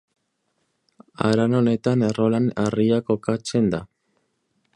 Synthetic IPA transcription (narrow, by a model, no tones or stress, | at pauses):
a̰ɾano̞ne̞t̪anerolanariako̞kat͡se̞nd̪a